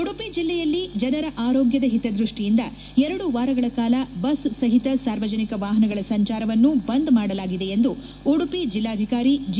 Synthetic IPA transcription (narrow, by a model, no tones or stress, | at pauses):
oɽupid͡ʒilːɛjɐlːid͡ʒɐnɐɾɐʔaːɾoːɡjɐd̪ɐɦit̪ɐd̪ɾuʂʈijind̪ɐ | ɛɾɐɽuʋaːɾɐɡɐɭɐkaːlɐbɐssɐɦit̪ɐsaːɾʋɐd͡ʒɐnikɐʋaːɦɐnɐɡɐɭɐsɐɲt͡ʃaːɾɐʋɐnːubɐnd̪maːɽɐlaːɡid̪e̞end̪u | oɽupid͡ʒilːaːd̪ʱikaːɾid͡ʒ